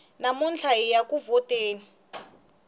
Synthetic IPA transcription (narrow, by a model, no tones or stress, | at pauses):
namunt͡ɬʰaijakʼuvɔtʼeːni